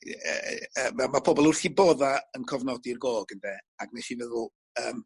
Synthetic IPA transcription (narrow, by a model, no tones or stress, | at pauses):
əːamapʰɔbɔlˠʊrθibɔðaənkʰɔvnɔdirɡoːɡəndɛːaɡ̥nɛʃivɛðʊlˠ | əːm